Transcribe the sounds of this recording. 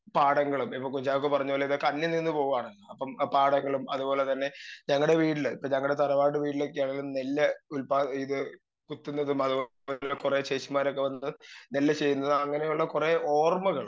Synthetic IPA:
paːɽɐŋːɐɭumipːoːkuɲt͡ɕaːʋɐk̬ːepɐrɐɲːuoːlːeiðokːeɐnːɐninːɨpo̞ːɣuʋaːɳɐpːɐmpaːɽɐŋːɐɭumɐðupo̞ːle̞t̪ɐnːe̞ɲɐŋːɐɭɽe̞ʋiːɽilipːɐɲɐŋːɐɭɽe̞t̪ɐɾɐʋaːʈːɨʋiːɽilo̞kːeaːɳelːunelːɐulpaːiðɨ | put̪ːunːɐðumɐðu | kureɕeːʂɐmːaːɾo̞kːe̞ʋɐnːnelːɐt͡ɕe̞jːunːɐðɨɐŋːɐnejuɭːɐkureo̞ːrmɐɣɐɭum

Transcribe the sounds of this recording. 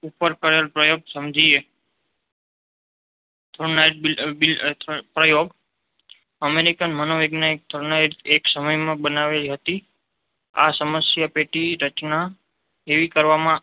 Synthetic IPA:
upəɾkəɾelpɾəjoɡsəmd͡ʒʱie | t̪ʰonajʈ̚ibipɾəjoɡ | əmeɾikənmənoʋeɡnaik̚t̪ʰɾnait̪eksəməjmãbənaʋeɦət̪i | a̰səməsjapeʈiɾət͡ʃna | eʋikəɾʋamã

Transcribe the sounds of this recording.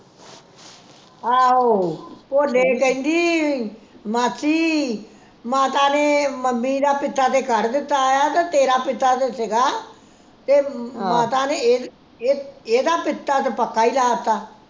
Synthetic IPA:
aːɦoːpoːleːkɛ̃ĩnd̪iː | maːsiː | maːt̪aːneːməmːĩːd̪aːpɪt̪ːaːt̪eːkəɾd̪ɪt̪ːaːjaːt̪aːt̪eːɾaːpɪt̪ːaːt̪eːsɪɡaː | t̪eːmãːt̪aːneː | eːeːd̪aːpɪt̪ːaːt̪pəkːaːiːlaːt̪ːaː

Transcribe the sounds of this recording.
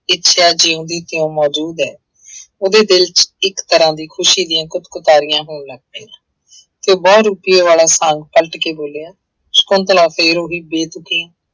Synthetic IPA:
ɪtːʃʰaːd͡ʒɪõːd̪iːt̪eõːmɔːd͡ʒuːd̪ɦɛː | oːd̪eːd̪ɪlt͡ʃɪkt̪əɾãːd̪iːkʰʊʃiːd̪ɪjãːkʊt̪kʊt̪aːɾɪjãːɦoːɳləɡ̚d̪ẽːãː | t̪ebɔːɾuːpɪjoːʋaːlaːsə̃ŋɡ̚pəlʈkeːboːleːãː | skʊnt̪əlãːfʰeːɾoːɦiːbeːt̪ʊkẽː

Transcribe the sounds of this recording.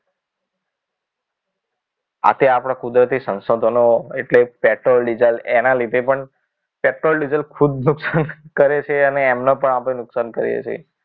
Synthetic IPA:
a̰t̪eapɽ̃akud̪ɾət̪isə̃nsod̪ʱənoeʈlepeʈɾolɖid͡ʒəlenalid̪ʱepəɳ | peʈɾolɖid͡ʒəlkʰud̪nuksankəɾet͡ʃʰeəneːmnapəɳapɽenʊksankəɾḭḛt͡ʃʰḛ

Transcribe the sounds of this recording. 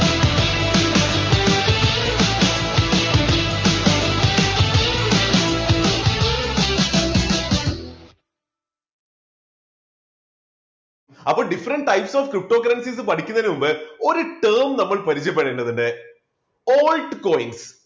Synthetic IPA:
ɐpːoːɭɖifɐɾɐɳɖʈɐjpsoːfkɾip̚ʈoːkɐɾɐnsis̬ɨpɐʈʰikʲːunːɐnɨmumbɨo̞ɾuʈeːmnɐmːɐɭpɐɾit͡ɕːjɐp̬ːeɽeːɳɖɐðinɖe | oːlɖkoːjins

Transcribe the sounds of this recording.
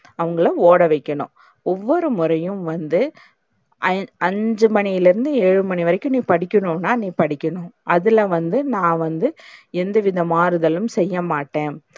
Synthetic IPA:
ɐʋɐŋɡɐɭɐoːɽɐʋɐɪkːɐɳʊ̰̃ | ɔʋːɔɾɯmʊɾɐjɯ̃mʋɐnd̪ɯ | ʔɐɐɲd͡ʒɯmɐnɪjɪlɪɾɯnd̪ɯeːɻɯmɐɳiʋɐɾɐkʲːɯ̃mnĩːpɐɽɪkʲːɐɳʊ̃nːaːnĩːpɐɽɪkʲːɐɳʊ̃ʔɐðɪlɐʋɐnd̪ɯnãːʋɐnd̪ɯɛnd̪ɐʋɪðɐmaːɾɯðɐlɯmsɛjːɐmaːʈːẽː

